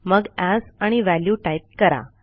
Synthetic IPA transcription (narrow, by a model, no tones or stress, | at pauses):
məɡæsaɽ̃iʋæljuʈajp̚kəɾa̰